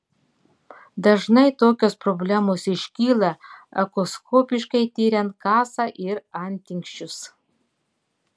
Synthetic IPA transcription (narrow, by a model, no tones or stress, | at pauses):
d̪ɐʒnɐɪt̪oːkʲoːspɾɔbʲlʲæːmoːsɪʃʲkʲiːlˠɐɐkoskʰoːpʲɪʃkɐɪt̪ʲiːɾʲɛnt̪̚kɑːsɑʔɪɾɐnʲt̪ʲɪŋkʃʲt͡ʃʲʊs